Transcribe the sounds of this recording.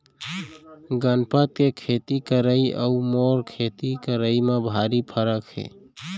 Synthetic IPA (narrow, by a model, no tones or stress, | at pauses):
ɡənpət̪̚kekʰet̪ikəɾəiə̰umoɾkʰet̪ikəɾəimebʱaɾipʰəɾəkhḛ